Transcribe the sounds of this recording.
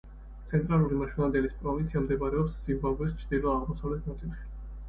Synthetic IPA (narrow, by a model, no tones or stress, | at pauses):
t̪sʰɛnt̪ʼɾalˠuɾimaʃunand̪ɛlispʼɾɔvinsʰiamd̪ɛmaɾɛɔpsːimbaɡɛst͡ʃʰɾd̪ilˠɔaʁmɔsavlɛt̪ʰnat̪sʼilˠʃi̥